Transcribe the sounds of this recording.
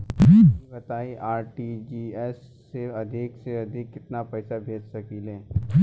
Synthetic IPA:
ibɐt̪aːiʔaːɾʈid͡ʒiːɛsː | eɐd̪ʱɪkseɐd̪ʱɪkːɪt̪napɛːsabʱeːd͡ʒsɐkiːlẽː

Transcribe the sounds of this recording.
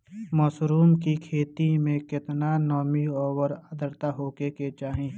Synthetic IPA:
mɔːsɾuːmkikʰeːt̪imẽkɪt̪nanɔːmiɔːwəɾəd̪əɾt̪aɦoːkeket͡ʃaːɦẽː

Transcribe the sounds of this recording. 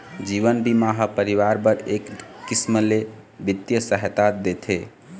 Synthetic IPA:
d͡ʒiʋənbimaɦapəɾiʋaɾbəɾekːisməlebit̪jəsəɦet̪at̪̚d̪et̪ʰe

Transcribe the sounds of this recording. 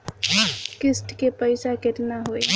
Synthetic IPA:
kɪsʈkepəɪsakeʈnaɦoj

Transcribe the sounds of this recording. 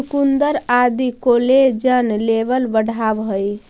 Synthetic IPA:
ukund̪əɾad̪ikoled͡ʒənlebəlbəɽ̤ʱabɦoj

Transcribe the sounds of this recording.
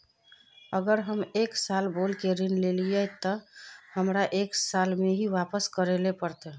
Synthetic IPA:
əɡəɾɦəmeksalbolkeɾinlelijɛt̪əhəmɾaʔeksalmeɦiʋapəskəɾelepəɾt̪ɛ

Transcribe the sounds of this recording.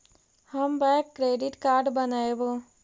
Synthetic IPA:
həmbɛkːɾeːɖɪʈkaːɾɖbənaebo

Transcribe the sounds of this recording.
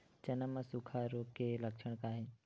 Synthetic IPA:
t͡ʃɐnəmãsukʰaɾokeləkʃʰəɽ̃kaːɦẽ

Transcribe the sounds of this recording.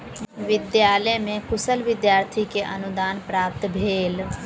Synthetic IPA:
ʋɪd̪jaːləmẽkʊsəlʋɪd̪jaːɾt̪ʰikeʔənʊd̪aːnpɾaːp̚t̪bʱeːl

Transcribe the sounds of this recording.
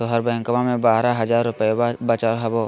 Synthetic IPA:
oɦəɾbɐjə̃ŋkəmamẽbaːɾaɦɐzaːɾːʊpəjebat͡ʃaːɾɦɐboː

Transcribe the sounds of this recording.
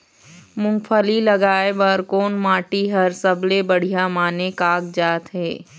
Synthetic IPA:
mʊ̃ŋfʰəlilɐɡaːebəɾkoːnmaːʈiɦɐɾsɐblebɐɽ̤ijamaːnekaːɡd͡ʒaːt̪ɦɛː

